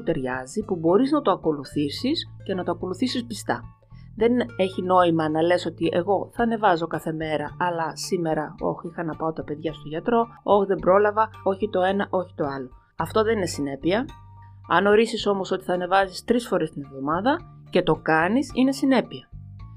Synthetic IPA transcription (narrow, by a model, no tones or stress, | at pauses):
t̪e̞ɾʝɐzipubo̞ɾiznɐt̪o̞ɐko̞luθisis | ce̞nɐt̪oɐko̞luθisispist̪ɐ | ðe̞ne̞çino̞imɐnɐle̞so̞t̪iʔe̞̰ɣo̞θɐːne̞vɐzo̞kɐθe̞me̞ɾɐɐlɐsime̞ɾɐo̞̰çixɐnɐpɐot̪ɐpe̞ðʝɐst̪oʝɐt̪ɾo̞ | o̞çðe̞mbɾo̞lɐvɐo̞çit̪o̞e̞nɐʔo̞çi̥t̪o̞ɐlo̞ | ɐft̪o̞ðe̞nine̞sine̞piɐ | ɐ̰noɾisiso̞mo̞so̞t̪iθɐːne̞vɐzist̪ɾisfoɾest̪ine̞vðo̞mɐðɐ | ce̞t̪o̞kɐnisine̞sine̞piɐ